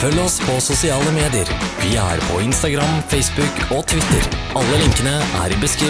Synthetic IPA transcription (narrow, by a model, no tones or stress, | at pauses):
fœlːɔspʰɔsʊsɪɑːləmeːd̪ɪəɾʋɪæ̰ɾpʰɔɪnst̪ɑɡɾɑmfɛɪsbʉkʰot̪ʰʋɪt̪ə̰ɾ | ɑlːəlɪŋkənəʔæ̰ɾɪbəskɾiː